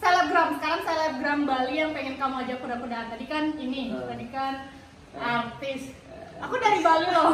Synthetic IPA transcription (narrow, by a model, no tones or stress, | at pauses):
t̪eləɡɾamsə̥kaɾaŋt̪eləɡɾambalijaŋpeŋɪnkamuad͡ʒak̚pərdapədaɦant̪adikaninidut̪adikan | ɾak̚t̪ɪs | akudaɾibaluka